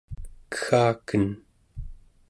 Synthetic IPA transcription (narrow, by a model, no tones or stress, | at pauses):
kə̥xaːkən